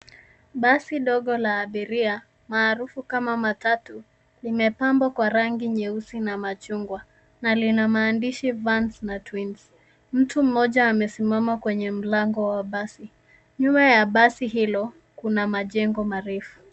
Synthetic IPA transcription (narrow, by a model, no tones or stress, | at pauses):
ɓasiɗɔɠɔlaːɓiɾia | maːɾufukamamatatu | limɛpambwakwaɾaŋɡiɲɛusinamat͡ʃuŋɡwa | nalinamaːndiʃivansnatwins | m̩tum̩ːɔʄaːmɛsimamakwɛɲɛm̩laŋɡɔwaɓasi | ɲumajaɓasiɦilɔ | kunamaʄɛŋɡɔmaɾɛfu̥